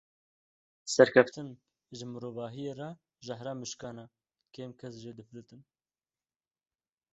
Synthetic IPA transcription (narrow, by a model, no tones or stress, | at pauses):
sɛɾkʰɛft̪ɨn | ʒɨmɨɾoːvɑːɦijerɑ | ʒahɾɑːmɨʃkɑːna | kʰeːmkʰɛs̬ʒeːd̪ɨflɨt̪ɨn